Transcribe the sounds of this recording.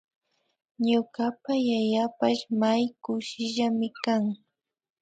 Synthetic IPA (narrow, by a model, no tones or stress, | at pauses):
ɲʊɢapajajapaʃmajkʊʃɪʒamɪkaŋ